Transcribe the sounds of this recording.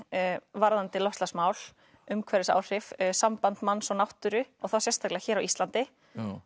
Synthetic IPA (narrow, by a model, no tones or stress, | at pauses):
vaɾðant̪ɪlɔst̪lasmaːwl | ʏmkʰvɛɾɪsa̰ːwr̥ɪfsampant̪manːsɔnawht̪ʏɾʏɔɣθawsjɛst̪ʰaklɪaçɛːɾawʔist̪lant̪ɪ